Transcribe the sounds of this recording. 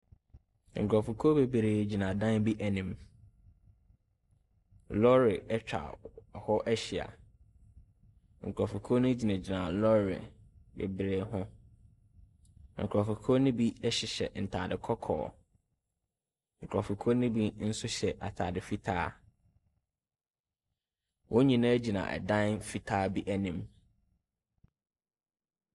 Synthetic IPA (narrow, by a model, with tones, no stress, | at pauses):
ŋ̩˨kʰɾɔ˨fʊ˨kʰo˦be˨bɾeː˦˨d͡ʑi˨nã˨dã˦nbi˦ʔæ˨nĩ˨˦m | lɔ˦ɾɪ˨ɛ˦t͡ɕᶣa̰˨hɔ˦ʔɛ˦ɕɪ˨a̰˨ | ŋ̩˨kʰɔ˨fu˨kʰo˦nʊ̃˦d͡ʑi˨nã˨d͡ʑi˨nã˨lɔ˦ɾɪ̰˨ | bḛ˨bɾeː˦ɦʊ̃˦˨ | ŋ̩˨kʰɔ˨fʊ˨kʰo˦nʊ̃˦bi˦ɛ˦ɕɪ˨ɕɛ̰˨n̩˨tʰaː˨dɪ˨kʰɔ˦kʰɔ̰ː˨ | ŋ̩˨kʰɾɔ˨fʊ˨kʰo˦nʊ̃˦bi˦n̩˦sʊ˦ɕɛ˨ʔa˨tʰaː˨dɪ˨fi˦tʰaː˦ | wʔɔ˦ɲĩ˨nã˦æ˦d͡ʑi˨nã̰˨ʔɛ̰˨dã˦nfi˦tʰaː˦bi˦ʔæ˦nĩ˨m